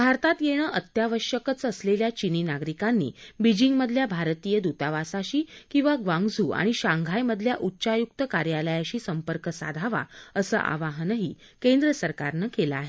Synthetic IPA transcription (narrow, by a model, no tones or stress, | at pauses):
bʱaɾt̪at̪jeɽ̃əːʔət̪jaʋəɕjəkət͡səsleljat͡ɕiniːnaɡɾikanːḭːbid͡ʑiŋɡməd̪ʱljabʱaɾt̪ijəd̪ut̪aʋasaɕiːkĩw̃ʋaɡʋãŋɡd͡zuːa̰ɽ̃iɕãŋɡʱajməd̪ʱljaʔutːɕajuk̚t̪əkaɾjaləjaɕiːsəmpəɾkəsa̰d̪ʱaʋa̰əsə̰ːʔa̰ʋaɦənəɦiː | kend̪ɾəsəɾka̰ɾnəkelaaːɦe